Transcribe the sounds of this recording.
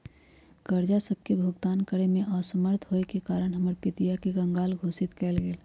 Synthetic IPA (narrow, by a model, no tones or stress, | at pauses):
kəɾd͡ʒasəb̚kebʱʊɡt̪aːnkəɽemẽʔasəməɾt̪ʰɦoekekaːɾəɽ̃ɦəməɾpɪt̪ijakeɡə̃ŋɡaːlɡʱoːsɪt̪kɛːlɡeːl